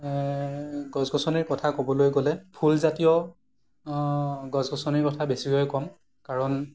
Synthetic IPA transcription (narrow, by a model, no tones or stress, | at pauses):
ɡɔzɡʱɔsɔniɹkɔtʰakobɔlojɡolɛpʰulzatijɔ | ɡɔzɡɔsɔniɹkɔtʰabesiɦojkɔm | kaɹɔn